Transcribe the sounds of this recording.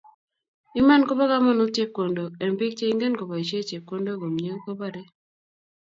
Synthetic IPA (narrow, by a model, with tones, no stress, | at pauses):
i˦ma˦nko˦ba˦ka˦mɔ˦nu˦te˦kːo˨ndo˨ɛ˨mbɪ˦k̚t͡ʃe˦i˦ŋɡe˦nko˨ba˨i˨t͡ʃe˦t͡ʃe˨kːo˦ndo˦ɡo˨mɲe˦ko˦ba˦de˦